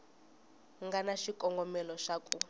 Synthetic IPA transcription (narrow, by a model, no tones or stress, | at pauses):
ŋɡanaʃikʼɔŋɡɔmɛlɔʂakʼu